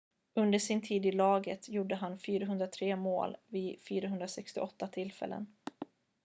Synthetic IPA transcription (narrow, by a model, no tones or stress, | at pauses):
ɵnd̪əʂɪnt̪ʰiːd̪ɪlɑːɡət̪juɖːəɦanfyːɾaɦɵnd̪ɾat̪ʰɾeːmo̰ːlvɪfyːɾaɦɵnd̪ɾasɛkst̪ɪʔɔt̪ːat̪ʰɪlfɛ̰lːə̰n